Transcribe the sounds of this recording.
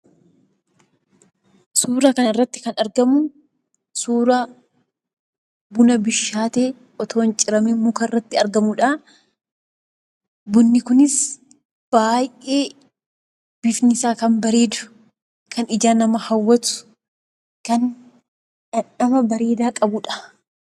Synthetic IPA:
suːɾakɐnɪrːɐt̪ːɪ̥kɐnɐɾɡɐmʊ | suːɾa | bʊnɐbɪʃːaːt̪eː | ʔɔt̪ʰo̞ːnt͡ʃʼɪɾɐmimːʊkɐrːɐt̪ːɪɐɾɡɐmʊᶑaː | bʊnːɪkʊnɪs | b̥aːjʔe̞ː | b̥ɪfnɪsaːkɐmbɐɾe̞ːd̪ʊ̥ | kʰɐnɪd͡ʒaːnɐmɐhɐwːɐt̪ʊ̥ | kɐn | ᶑɐᶑɐbɐbɐɾe̞ːd̪aːkʼɐbʊᶑɐ̥

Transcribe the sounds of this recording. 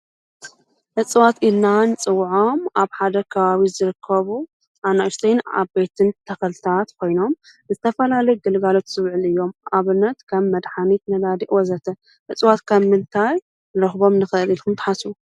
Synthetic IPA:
ʔɨt͡sʼwat̪ilnant͡sʼɨwʕo̞maβħad̪ɐkʰɐβaβizɨɾɨkʰːɐβu | ʔanast̪ʰejna̰bet̪ʰɨnt̪ʰɐxɐlt̪ʰat̪kʰo̞jno̞m | zɨt̪ʰɐfɐlalɐjɡɨlɡalo̞t̪sɨβʕɨlɨjːo̞mʔaβɨnːɐt̪kʰɐβːɐd̪ħanit̪nɐd̪ad̪iʔwɔzɐt̪ʰɐ | ʔɨt͡sʼwat̪kʰaβmɨnt̪ʰaj | nɨɾɐxbo̞mnɨxɐʔɨlilkʰumt̪ʰɨ̥ħasu

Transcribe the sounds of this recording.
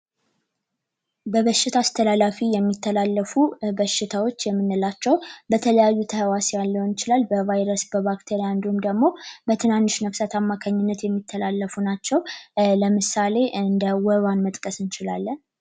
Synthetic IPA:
bəβəʃːɪt̪ʰaːst̪ʰəlalafijɛmːit̪ʰːəlalːəfubəʃːɪt̪ʰawo̞t͡ʃːjɛmːɨnːɨlat͡ʃːɛwbət̪ʰələjajːut̪ʰəhəwasejalːəwunɪt͡ʃɪlalbəvajɾəsbəβakt̪ʰeɾijaɨnd̪ihumd̪əɡmo̞bət̪ʰɨnanːɨʃnəfsət̪ʰamːakʰaɲːɪnːət̪jɛmːit̪ʰːəlalːəfunat͡ʃːɛwləmɨsale̞ɨnd̪əwɔβanmət̪ʼkʼəsɨnt͡ʃɪlalːən

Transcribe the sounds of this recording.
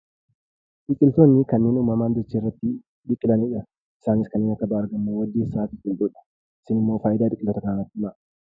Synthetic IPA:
d̪̥ɪkʼɪlt̪oːnːɪkɐnːeːnuːmːɐmaːnd̪ɛt͡ʃːiːrːɐt̪ːɪ | d̪ɪkʼːɪlɐniːᶑɐ | ɪsaːnɪskɐnːeːnɐkːɐbaːɐɾɡɐmːowɐd̪ːiːsaːk̪ɪkʼːɪld̪uːᶑɐ̥ | ɪsɪnɪmːoːfaːʔɪd̪aːd̪ɪkʼɪlt̪ːot̪ɐkɐnaːnɐt̪ːɪɪma

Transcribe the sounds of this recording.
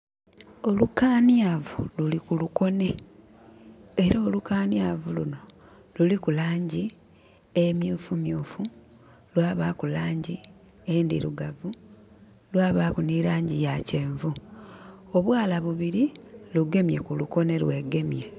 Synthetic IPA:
o̞lukaːnjavululikuluko̞ne̞ | eɾaːlukaːnjavuluno̞ | lulikulaːɲɟi | emjuːfumjuːfu | lwaːβakulaːɲɟi | endiɾuɡavu | lwaːβakuniɾaːɲɟijaceːɱvu | oβwaːlaβuβiɾiluɡe̞mjekuluko̞ne̞lwe̞ɡe̞mje

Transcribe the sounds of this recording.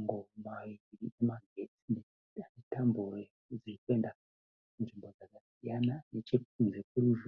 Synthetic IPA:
ŋɡomawiiɾiemaɡʱetin | anditambure | d͡ziikue̞nda | unʐimbo̞d͡zakasijananet͡ʃekunzekuɾuʒ

